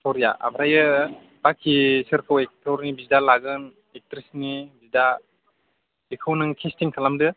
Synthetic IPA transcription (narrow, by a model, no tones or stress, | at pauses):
sʰɔɾja̰ʔa̰bɾajɯ | bakʰisɯɾkʰɯwek̚tʰɔɾnibizdalaɡɯn | ek̚tɾisnibizda | ekʰɯwnɯŋkʰestiŋkʰalamdɯ